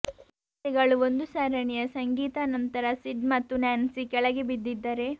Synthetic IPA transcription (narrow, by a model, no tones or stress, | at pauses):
t̪ɛɡɐɭuond̪usaːɾɐɳɛjɐsɐŋɡiːt̪ɐnɐnt̪ɐɾɐsiɖmɐt̪ːunaːnsikɛɭɐɡebid̪ːid̪ːɐɾe̞